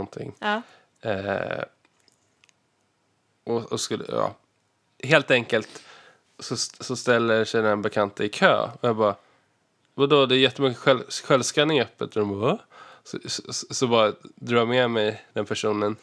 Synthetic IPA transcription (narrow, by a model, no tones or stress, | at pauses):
ɔnt̪ʰɪ̰ŋː | ʔɔɔskɵlə̰jɑ̰ː | ɦeːlt̪ɛŋkəlt̪ | sɔsɔst̪ɛlːəʂɛjnɛnbɛkʰant̪ʰəɪkʰø̰ːɔjɑːɡbɑː | vad̪oːd̪ɛːɾjɛt̪ːəmʏkːəɧɛlɧɛlvskanːɪŋœpːət̪d̪ɔɾɔmbɑsɔssɔbɑːɾad̪ɾɑːjamɛmɛjd̪ɛnpʰæʂuːnən